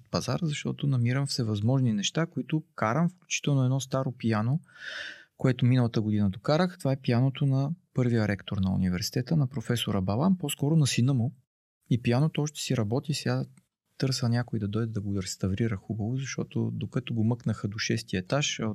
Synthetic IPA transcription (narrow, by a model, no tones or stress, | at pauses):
ot̪pɐza̰ɾzɐʃt̪ɔt̪ʊnɐmiɾəmfsɛvɐzmɔʒninɛʃt̪akoit̪ʊkaɾəmfklʲut͡ʃi̥t̪ɛlˠnoɛd̪nɔst̪aɾopijano | koɛt̪ominəlˠət̪əɡod̪inəd̪okaɾəxt̪ovaɛpijanot̪onɐpɤɾvijəɾʔɛkt̪oɾnɐṵnivɛɾsi̥t̪ɛt̪ənɐpɾofɛsoɾəbɐlˠampɔskɔɾonɐsinəmo | ipijanot̪oɔʃt̪ɛ̥siɾɐbɔt̪isɛa | t̪ɤɾsənʲakoid̪ɐd̪ɔjd̪ɛd̪ɐɡoɾɛst̪ɐvɾiɾəxubəvozɐʃt̪ɔt̪o̰d̪okɐt̪oɡomɤknəxəd̪oʃɛst̪iəɛt̪aʃɐ